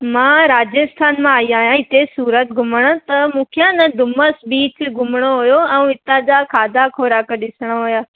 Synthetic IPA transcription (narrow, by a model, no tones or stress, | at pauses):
mãːɾaːd͡ʑəst̪ʰaːnmãaːiaːɦijãɪt̪esuːɾət̪ɡʱʊməɽ̃̆t̪ɐmũːkʰijãnɐd̪ʊməsbiːt͡ɕɡʱʊmɽ̃oɦʊjoɛ̃ũɪt̪ãd͡ʑakʰaːd̪ʱakʰoːɾaːkəɗɪsəɽ̃oɦʊjaː